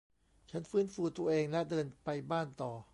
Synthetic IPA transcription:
t͡ɕʰa˦˥nfɯː˦˥nfuː˧t̪u˧ɐʔeː˧ŋlɛ˦˥dɤː˧npa˧jbaː˥˩nt̪ɔː˨˩

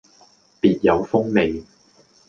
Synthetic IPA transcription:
piː˨t̚jɐ˨˧wfʊ˥ŋme˨j

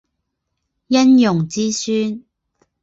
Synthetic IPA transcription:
jɐ˥njʊ˨˩ŋt͡siː˥syː˥n

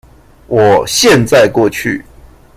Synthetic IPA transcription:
wɔ˨˩ɕjɛ˥˨nt͡sa˥˨ɪkwɔ˥˨t͡ɕʰy̰˥˨

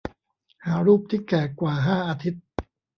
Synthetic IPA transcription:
haː˩˦ɾuː˥˩p̚t̪ʰiː˥˩kɛː˨˩kwaː˨˩ɦaː˥˩ʔaː˧t̪ʰi˦˥t̪̚

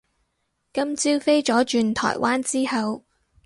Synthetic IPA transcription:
kɐ˥mt͡siː˥wfe˥jt͡ʃɔː˨˥t͡ʃyː˨˧nt̪ʰɔ̰ː˨˩jwʔaː˥nt͡siː˥hɐ˨w

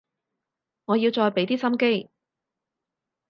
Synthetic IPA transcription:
ŋɔː˨˧jiː˧wt͡ʃɔː˧jpe˨˥jt̪iː˥sɐ˥mke˥j

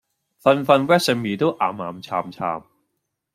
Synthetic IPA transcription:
fa˧nfa˧nwɛː˥sɛ˧mːiː˨˦t̪oː˥˩ʔa̰ː˨˩maː˨˧˦mt͡ɕʰaː˧mt͡ɕʰa̰ː˧m

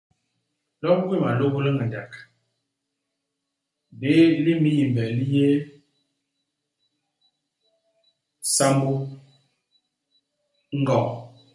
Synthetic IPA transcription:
lɔ˦pkwi˦˨ma˨lo˦ɣu˦lə˦ŋə˨da˨k | be˨˦li˦mi˦ji˨mbɛ˨li˦je˦ | sa˦mbu˦ | ŋ̩˦ɡɔ˦˨

